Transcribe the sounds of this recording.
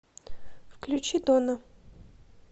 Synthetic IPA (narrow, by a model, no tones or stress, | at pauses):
fklʲʉt͡ɕid̪onə